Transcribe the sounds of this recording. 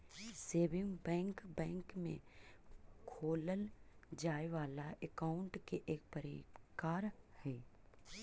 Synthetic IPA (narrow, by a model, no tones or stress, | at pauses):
seːʋɪ̃ŋɡbɛ̃ːŋkbɛ̃ːŋkmḛ̃ | kʰoːləld͡ʒaːeʋaːlaʔekaːʊɳʈkeʔeːk̚pəɾkaːɾhɛː